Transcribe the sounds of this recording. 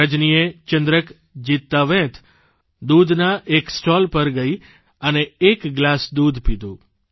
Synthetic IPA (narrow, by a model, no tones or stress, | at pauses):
əd͡ʒnijet͡ʃənd̪ɾək | d͡ʒit̪ːaʋẽt̪ʰ | d̪ud̪ʱnaʔeksʈɔlpəɾɡəj | əneːkɡlasd̪ud̪ʱpid̪ʱũ